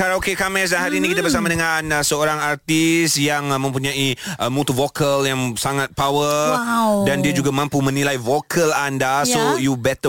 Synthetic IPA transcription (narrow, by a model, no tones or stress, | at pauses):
kaɾaokekamɛs̬aɦaɾiːnĩkit̪abərsamadəŋanəsəoɾaŋart̪isjaŋmə̃mpuɲãiəmut̪uvokəljaŋsaŋat̪̚pawə | dandiad͡ʒuɡamãmpumə̃nilajvokʰəlandasojubɛt̪ə